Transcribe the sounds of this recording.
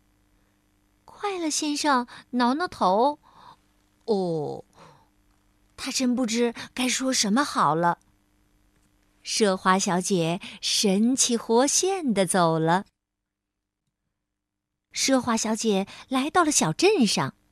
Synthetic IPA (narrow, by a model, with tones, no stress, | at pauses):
kʰwa˥˩ɪlə˩ɕjɛ˥nʂɑ˥˩ŋnɑ˧˥ʊnə˥˩t̪ʰo˧˥ʊ | ɔ˥˧˩ | t̪ʰa˥ʈ͡ʂə˥np̬u˥˩ʈ͡ʂɻ̩˥ka˥ɪʂwɔ˥ʂə˧˥nmə˧xɑ˨˩ʊlə˦ | ʂɤ˥xwa˧˥ɕjɑ˧˥ʊt͡ɕjɛ˨˩˦ʂə˧˥nt͡ɕʰi˧˨˩xwɔ˥ɕjɛ˥˩nd̪ə˨t͡so˨˩ʊlə˦ | ʂɤ˥xwa˧˥ɕjɑ˧˥ʊt͡ɕjɛ˨˩˦la˧˥ɪt̪ɑ˥˩ʊlə˩ɕjɑ˨˩ʊʈ͡ʂə˥˧nʂɑ̰˥˩ŋ